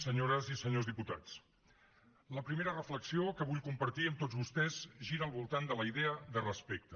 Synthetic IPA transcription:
səɲoɾəzisəɲozðiput̪a̰t͡s | ləpɾimeɾərəfləksiokəβuʎkumpəɾt̪iəmt̪od͡zβust̪ɛzʒiɾəːlˠβulˠt̪and̪ələiðeəðərəspek̚t̪ə

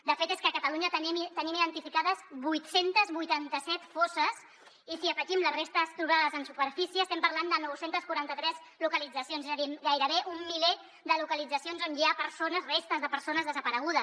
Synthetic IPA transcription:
d̪əfet̪eskəːkət̪əluɲət̪ət̪ənimiðənt̪ifikaðəzbujt̪sent̪əzβujt̪ant̪əsɛt̪fosəs | isiəpəɣimləzrest̪əst̪ɾuβaðəzənsupəɾfisiəst̪ɛmpəɾland̪ənɔwsent̪əskuɾant̪ət̪ɾɛz | lukəlid͡zəsionsezəðimɡajɾəβeʔumːile | d̪əlukəlid͡zəsionzoniapəɾsonəsrest̪əzðəpəɾsonəzðəzəpəɾəɣuð̞əs

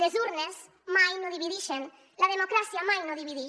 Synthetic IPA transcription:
lezuɾnes | majnod̪iβiðiʃen | laðemokɾasjamajnod̪ivid̪i

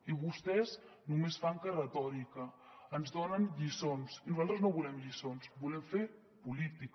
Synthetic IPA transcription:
iβust̪ɛznumesfaŋkeret̪ɔɾikaənzd̪onanʎisonsinuzalˠt̪ɾznoβulɛmʎisonsbulɛmfeɾ | pulit̪ik

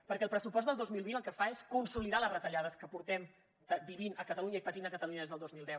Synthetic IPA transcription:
pəɾkɛəlˠpɾəsupɔsd̪əlˠd̪ozmilˠβinəlˠkəfaeskunsuliðaləzrət̪əʎað̞əskəpuɾt̪ɛm | t̪əbiβinəkət̪əluɲəipət̪inəkət̪əluɲəðezðəlˠd̪ozmilˠd̪ɛw

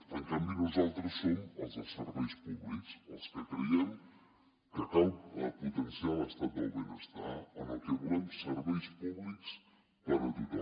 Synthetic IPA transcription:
əŋkambinuzalˠt̪ɾəsːoməlˠzðəsəɾβɛjspuβlikz̥əlˠskəkɾəɛm | kəkawpləput̪ənsialˠəst̪amolˠβenəst̪aənəkɛβulɛmsəɾβɛjspuβliks | pəɾuðiɣa

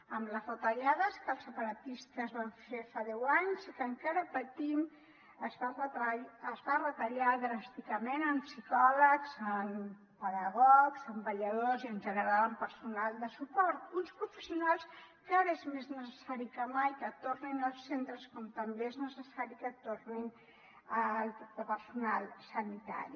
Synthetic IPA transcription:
əmləzrət̪əʎaðəskəlˠsːəpəɾət̪ist̪əzβaɱfefaðɛwaɲzikəŋkaɾəpət̪im | əzβarəzβarət̪aʎaðɾast̪ikəmenəmsikɔləkzəm | pəðəɣɔkzəmbəʎəðoziənʒənəɾaləmpəɾsunalˠd̪əsupɔɾt̪unspɾufəsjunalˠskaɾəezmeznəsəsaɾikəmajkət̪orninəlˠsːent̪ɾəskɔmt̪əmbeeznəsəsaɾikət̪ornin | əlˠt̪ipd̪əpəɾsunalˠsənit̪a̰ɾi

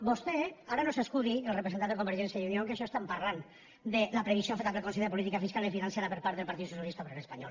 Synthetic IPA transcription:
bost̪eaɾanoseskuðielˠrepɾesent̪anelkoumbeɾʒensjaðunioŋkeʃɔest̪ampaɾlan | d̪elapɾeβ̞isiofet̪apeɾkonsieɾp̬ulit̪ikafiskalefinansjaɾapeɾpaɾt̪ðelˠpaɾt̪it̪susjalist̪apɾespaɲɔ̰l

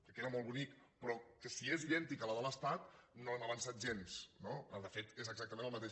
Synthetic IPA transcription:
kəkeɾəmolˠβunikpɾɔkəsieziðɛnt̪ikələðələst̪at̪noəməβənsat̪̚ʒensnoəðəfet̪ezəɡzak̚t̪əmẽnəlˠmət̪e

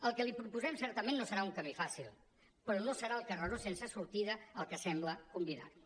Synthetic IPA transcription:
əlˠkəlipɾupuzɛmsɛɾt̪əmẽnːosəɾauŋkəmifasilˠ | pɾɔnosəɾaəlˠkərəɾosensəsuɾt̪iðəəlˠkəsɛmbləkumbiða̰ɾ

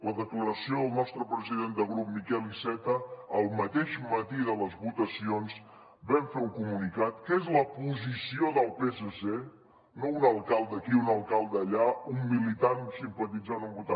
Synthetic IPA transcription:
ləðəkləɾəsioðəlˠnɔst̪ɾəpɾəziðend̪əɣɾup̚mikɛlisɛt̪əːlˠmət̪eʃmət̪iðələzβut̪əsions | bɛɱfeuŋkumunikat̪kezləpuzisioðəlˠpesese | nounəlˠkalˠd̪əːkiunəlˠkalˠd̪əːʎaumːilit̪ansimpət̪̬id͡zanumbut̪a

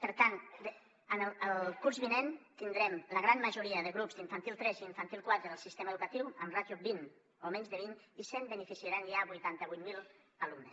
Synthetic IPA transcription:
pəɾt̪ant̪d̪ | ənələlˠkuɾzβinent̪ind̪ɾɛmləɣɾamməʒuɾiəðəɣ̞ɾupzd̪iɱfant̪ilˠt̪ɾɛziiɱfant̪ilˠkwat̪ɾəðəlˠsist̪eməðukət̪iwəmrat̪jobin | omɛɲzðəβinisɛmbənəfisiaɾanʒaβujt̪ant̪əβ̞ujt̪mil | əlumnəs

